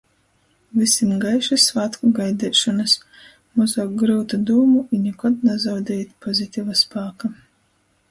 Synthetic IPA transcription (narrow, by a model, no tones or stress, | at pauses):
visʲimɡajʃɨsvat̪kuɡajd̪ɛːʃɔnas | muzɔːk̚ɡɾɨwt̪ad̪uːmuinʲukɔd̪nazawd̪ʲɛjt̪pʰɔzʲit̪ʲivaspaːka